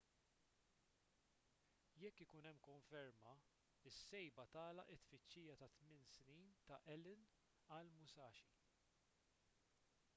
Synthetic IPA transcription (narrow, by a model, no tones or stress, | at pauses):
jɛkːɪkuːnɛmːkɔɱfɛɾmɐ | ɪsːɛjbɐt̪ɐːlɐ̰ʔɪt̪fɪt͡ʃːiːjɐt̪ɐt̪mɪnsniːnt̪ɐʔɛlɪn | ɐlmʊsɐːʃi